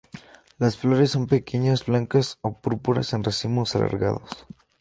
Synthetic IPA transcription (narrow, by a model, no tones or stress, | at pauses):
lasflo̞ɾesːo̞mpe̞kʰeɲazblaŋkasopuɾpuɾa̰senresimosalʔa̰ɾɣa̰ðo̰s